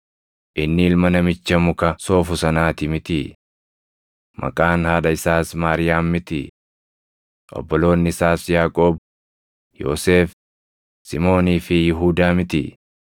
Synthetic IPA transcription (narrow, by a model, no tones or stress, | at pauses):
ʔɪnːɪɪlmɐnɐmɪt͡ʃːɐmʊkɐso̞ːfʊsɐnaːt̪ɪmɪt̪ɪ | mʔɐ̰kʼaːnhaːɗɐɪsaːsmaːɾɪjaːmːɪt̪ɪ̰ | ʔɔ̰bːɔlo̞ːnːɪɪsaːsjaːkʼo̞ːb | jo̰ːseːf | sɪmo̞ːniːfɪjɪɦuːd̪aːmɪt̪ɪ̰